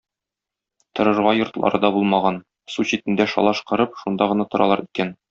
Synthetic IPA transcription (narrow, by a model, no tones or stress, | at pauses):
t̪ŏɾɤ̆ɾʁɑjŏɾt̪lˠɑ̰ɾɤd̪ɑbulˠmɑʁɑn | suɕit̪ɘ̆nd̪æʃɒ̰lˠɑʃqɤ̆ɾɤpʃund̪ɑʁɤ̆nɑt̪ŏɾɑ̰lˠɑɾikæn